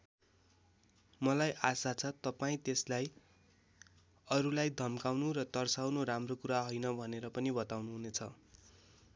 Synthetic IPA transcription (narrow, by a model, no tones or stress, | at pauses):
mʌlajʔasat͡sʰʌt̪ʌpaĩt̪eslaj | ʌɾulajd̪ʱʌmkawnurʌt̪ʌrsawnoɾamrokuɾaɦojnʌbʱʌneɾʌpʌnibʌt̪awnuɦunet͡sʰʌ